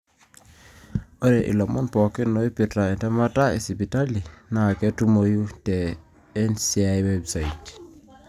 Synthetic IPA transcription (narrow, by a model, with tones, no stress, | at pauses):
ɔ˦ɾɛʔḭ˨lɔ˨mɔ˦npɔ˨ki˦nːoi˦pi˨tɾa˨ɛ˨ntɛ˦ma˦ta˦ḭ˨si˨pi˨ta˦li˨na˨kɛ˦tu˦moju˦tɛː˨˦ | nsiajwebsa˨it